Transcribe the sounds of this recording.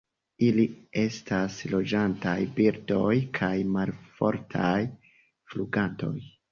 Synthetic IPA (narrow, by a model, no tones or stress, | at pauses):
ilie̞stʰaslo̞d͡ʒantajbiɾdo̞jkʰajmalfo̞̰ɾtʰaj | fluɡanto̞̰j